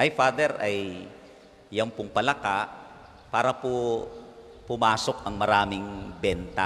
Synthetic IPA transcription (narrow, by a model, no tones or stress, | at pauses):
ʔɐjfaːd̪ɛɾɐj | ɐŋpʊŋpɐlɐkaʔ | paːɾɐpo | pʊmaːso̞kɐŋmɐɾaːmɪŋbɛnt̪a̰